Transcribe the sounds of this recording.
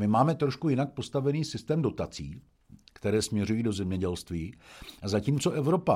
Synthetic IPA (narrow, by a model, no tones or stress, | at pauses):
mɪmaːmɛt̪ɾo̞ʃkujɪnak̚post̪avɛniːsɪst̪ɛːmdo̞t̪at͡sḭː | kt̪ɛɾɛːsmɲɛɾujiːdo̞zɛmɲɛɟɛlst̪viːazaciːmt͡so̞ʔɛvɾo̞pa